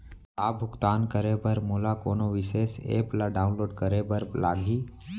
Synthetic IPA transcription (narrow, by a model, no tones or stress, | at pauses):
laːbʱʊkt̪aːnkəɾebəɾmoːlakoːnoʋɪʃeːsḛːplaɖaːʊnloːɖkəɾebəɾlaːɡʱiː